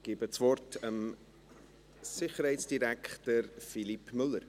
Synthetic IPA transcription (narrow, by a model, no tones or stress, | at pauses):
ɡ̥ibət͡svɔrtəm | sɪχəɾhɛɪtsd̥iɾækχtəɾfilipmʏlːəɾ